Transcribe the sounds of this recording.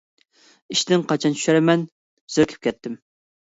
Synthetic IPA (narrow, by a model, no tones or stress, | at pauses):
iʃt̪ɪŋqʰɑt͡ʃʰɑnt͡ʃʰy̥ʃæɾmɛn | z̥øɾkʲʰi̥p̚kʲʰɛt̪ʰːɪm